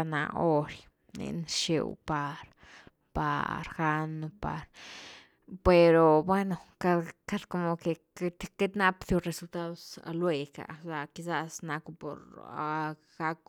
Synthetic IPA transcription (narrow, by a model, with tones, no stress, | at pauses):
na̰˧o˦ɾj | nḛ˧nʃḛ˧wpa˧ɾ | pa̰˨ɾxa˦no˧pa̰˨˧ɾ | pe˨ɾo˨bwe˦no˨ka˧ka˧d̪ko˧mo˧ke˨ | t̪ke˦t̪na˦psjo˧ɾe˧su˧lt̪a˦ðo˧sa̰˧lwe˧ka̰˨sa˧ki˧˦za˦sna˧kpo̰˨ɾ | ɡ̥a˦k̚